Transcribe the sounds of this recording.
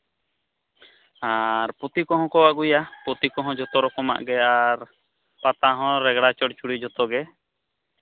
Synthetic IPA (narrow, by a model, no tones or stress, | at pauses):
aɾpɔt̪ikɔɦɔ̃kɔwaɡujapɔt̪ikɔɦɔ̃d͡ʒɔt̪ɔɾɔkɔma̰ʔɡɛaɾ | pat̪aɦɔ̃ɾɛɡɽat͡ʃɔɽt͡ʃuɽid͡ʒɔt̪ɔɡɛ